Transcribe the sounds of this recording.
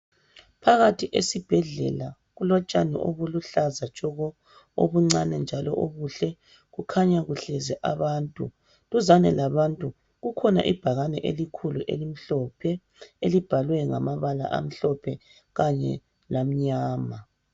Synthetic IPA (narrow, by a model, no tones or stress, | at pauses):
pʰaɣatʰiʔesib̥ʱɛɮɛ̰la | ɣulɔt͡ʃʼanɛ̰ʔoβuluɬazat͡ʃʼɔɣɔ | o̰βuŋ͡ǀanɛnd͡ʒʱalɔ̰ʔoɣuɬɛ | ɣukʰaɲaɣuɬɛzɛʔaβaːntʼṵ | luzanɛlaβantʼu | ɣukʰɔna̰ʔḭb̥ʱaɣanɛʔelikʰuluʔḛlim̩ɬɔpʰɛ | elib̥ʱalwɛŋamaβala̰ʔa̰m̩ɬɔpʰɛ | ɣaɲɛ̰ | lam̩ɲaːma